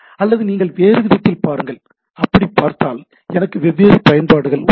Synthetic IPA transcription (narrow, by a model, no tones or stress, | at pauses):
ɐlːɐðɯniːŋɡɐɭʋeːɾɯʋɪɾɪʈ̪ːɪlpaːɾɯŋɡɐɭ | ɐpːɐɽipːaːɾt̪aːl | ɛnɐkːɯʋɛʋːeːɾɯpɐjɐnbaːɽɯɣɐɭ